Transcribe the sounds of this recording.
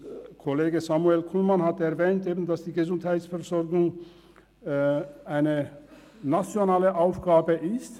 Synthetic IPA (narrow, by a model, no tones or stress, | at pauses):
kʰoleːɡəsamuɛlkʰulmanhatɛɐvɛːntʔeːbn̩dasd̥iːɡəzʊnthaɪtsfɛʁzɔʁɡʊŋ | aɪnə | nat͡sjonaːləʔaʊfɡ̥aːbəʔɪst